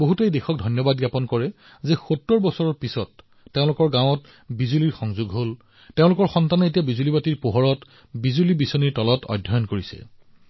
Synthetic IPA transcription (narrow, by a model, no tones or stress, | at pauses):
boɦutejdexʰɔk̚dʱɔjnjɔbadɡjapɔnkɔɹɛ | zɛxotːɔɹbɔsɔɹɔɹpisɔtː | eʊ̃lʊkɔɹɡãw̃ɔt | bizuliɹxɔŋzuɡɦol | teʊ̃lʊkɔɹxɔntanɔet̬ijabizulibatiɹpoɦɔɹɔt | bizulibisɔniɹtɔlɔtʰɔ̰dʱːɔjɔnkoɹisɛ̰